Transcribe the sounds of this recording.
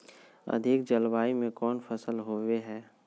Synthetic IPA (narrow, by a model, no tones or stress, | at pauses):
ɐ̰d̪ʱɪkd͡ʒəlbaːimẽkɔːnpʰəsəlɦoːweɦɛː